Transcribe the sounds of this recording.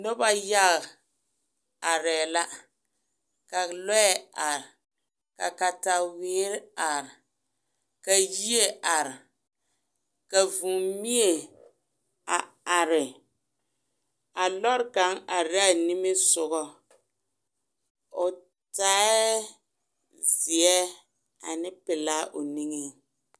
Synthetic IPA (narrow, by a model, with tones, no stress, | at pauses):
nʊ˦ba˦ja˦ɣ | a˨ɾɛː˨la˦ | ka˨lɔ˦ɛ˦ʔa˨ɾɪ˨ | ka̰˨ka˨ta˨wɪː˨˦ɾa˨ɾɪ˨ | ka˨ji˦e˦ʔa˨ɾɪ˨ | ka˨vu˨mi˦e˨ | a˨ | a˨ɾɪ˨ | a˨lɔ˦ɾka˨˦ŋa˨ɾa˦˨ni˦mɪ˦sʊ˨ɣɔ˦ | o˨ | taː˦ɛ˦ | zi˨ɛ˦ | a˨nɪ˦pɪ˨la˦ʔo˨ni˦ŋe˦